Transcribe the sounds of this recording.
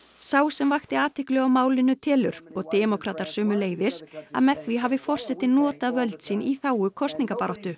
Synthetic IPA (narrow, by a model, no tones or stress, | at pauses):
saːwsɛmvaxt̪ɪaːt̪ʰɪhklʏɣawmaːwlɪnːʏt̪ʰɛːlʏɾɔɣt̪ɛːmɔkʰɾat̪aɾ̥sœːmʏleːjvɪsa̰ðmɛðθviɦavɪfɔr̥sɛt̪ɪnɔːt̪avœlt̪siniθaːwʏkʰɔst̪niŋkapaːɾɔht̪ʏ